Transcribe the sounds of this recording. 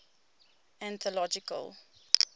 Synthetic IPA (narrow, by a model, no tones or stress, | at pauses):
æ̃nt̪ʰɔlɔd͡ʒikə̰l